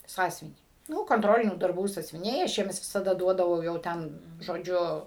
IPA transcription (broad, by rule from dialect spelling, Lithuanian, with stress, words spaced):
ˈsɑːsʲʊʋʲɪnʲiː ˈnʊ koːnˈtroːlʲɪnʲuː dɐrˈbuː sɑːsʲʊʋʲɪˈnʲɛɪ ɐʃ ˈjiɛms ʋʲɪsɐˈdɐ ˈduɔdɐʋɐʊ jɛʊ ˈtʲɛn ʒoːˈd͡ʒʲʊ